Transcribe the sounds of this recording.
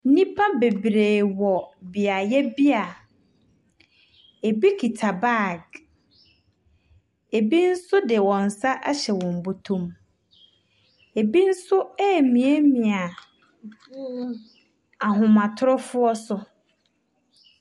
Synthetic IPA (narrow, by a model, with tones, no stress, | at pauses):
nĩ˦pʰa˦be˨bɾeː˨wɔ˨bi˨a˨jɛ˦bi˦a˨ | e˨bi˦kʰi˨tʰa˨ba˦˨ɡ | e˨bi˦n̩˦sʊ˦dɪ˨wɔ̃˨n̩˨sa˦ʔa˦ɕɛ˨wɔ̃˨m˨bo˨tʰũ˦m | e˨bi˦n̩˦sʊ˦ɛː˦˨mĩ˨e˦mĩ˨a˨ | a˨ɦʊ̃˨mã˨tʰʊ˦ɾʊ˦fʊ˦ɔ˦sʊ˨